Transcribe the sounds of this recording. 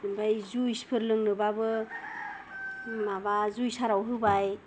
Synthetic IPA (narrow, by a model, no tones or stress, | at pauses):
bajzujspʰɯɾlɯŋnɯbabɯ | maβazujsaɾawɦɯbaj